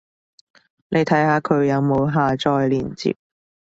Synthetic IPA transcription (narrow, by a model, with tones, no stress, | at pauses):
nʔe˨˧jt̪ʰɐ˨˥jhaː˧kʰɵ˨˧ɥjɐ˨˧wmo˨˧wɦaː˨t͡ʃɔː˨˧jliː˨˩nt͡sḭː˧p̚